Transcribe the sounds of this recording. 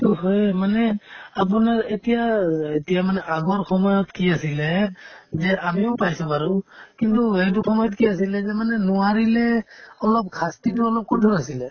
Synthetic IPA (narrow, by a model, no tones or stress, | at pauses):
tuɦojmanɛap̬unaɹetijaetijamanɛʔaɡɔɹkʰɔmɔjɔtkiasilɛzɛamiɔpajsubaɹukintuɦejt̬ukʰɔmɔjɔtkiasilɛzɛmanɛnuwaɹilɛɔlɔp̚kʰastitɔɔlɔp̚kɔtʰɔɹasilɛ